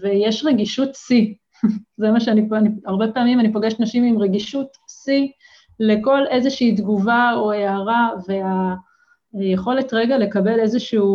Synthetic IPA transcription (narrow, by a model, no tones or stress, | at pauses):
vejeʃʁeɡiʃutsi | zemaʃeanipaniaʁbe̞peaːmimanipoɡeʃtnaʃimimʁeɡiʃut | si | le̞ko̞le̞zeʃiiːdɡuvaoeaʁave̞a | jeχo̞le̞tʁe̞ɡale̞kabe̞le̞zeʃuː